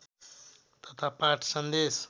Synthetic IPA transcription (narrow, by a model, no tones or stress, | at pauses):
t̪ʌt̪ʰapaʈʰsʌnd̪es